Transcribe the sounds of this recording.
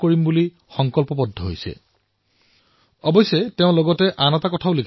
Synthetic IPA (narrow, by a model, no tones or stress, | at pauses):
koɹimbuli | xɔŋkɔlpɔpɔdʱːɔɦo̰jsɛ̰ | ɔbɔjsɔteʊ̃lɔɡɔtɛʔanɔtakɔtʰaʊlikʰ